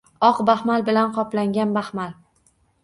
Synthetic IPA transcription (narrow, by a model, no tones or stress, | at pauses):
ɒqbahmalbɪlanqʰɒplaŋɡʲanbahmal